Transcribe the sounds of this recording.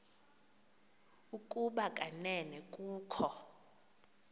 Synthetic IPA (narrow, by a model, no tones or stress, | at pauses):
ukʼuɓakʼanɛnɛkʼuːkʰɔ